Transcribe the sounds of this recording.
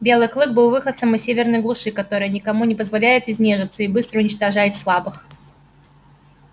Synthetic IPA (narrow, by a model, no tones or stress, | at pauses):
bʲe̞lˠɨjklˠɨk̚bɨlˠvɨxət̪səmɪssʲevʲɪrnəjɡlˠʊʂɨkɐt̪oɾɨjənʲɪkɐmunʲɪpəzvɐlʲæjɪt̪ɪzʲnʲeʐɨt̪səɪbɨst̪ɾəʊnʲɪt͡ɕt̪ɐʐajɪtʲslˠabɨx